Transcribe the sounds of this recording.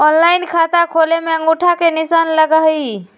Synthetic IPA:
ɔnlainkʰat̪akʰolemeəŋɡuʈʰakenisanləɡai

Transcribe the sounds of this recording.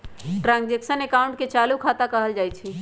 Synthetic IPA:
ʈɾãnd͡ʒeksənekaʊ̃ɳʈket͡ʃalukʰat̪akəɦəld͡ʒaːjt͡ʃʰi

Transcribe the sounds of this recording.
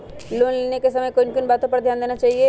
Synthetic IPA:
loːnleːnekesɐməjkʊnkʊnbaːt̪õpɐɾd̪ʱjaːnd̪eːnat͡ʃaːɦie

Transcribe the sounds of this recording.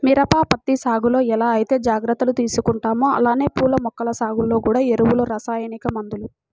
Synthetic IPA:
miːɾɐpaːpɐt̪ːisaːɡulo̞ːɛlaːɐjit̪e̞ːd͡ʒaːɡɾɐt̪ːɐlut̪iːsukuɳʈaːmoɐ̰laːne̞ːpuːlɐmɔkːɐlɐsaːɡulːo̞ːkuːɽaːeɾuwuloːɾɐsaːjɐnikɐmɐnd̪ulu

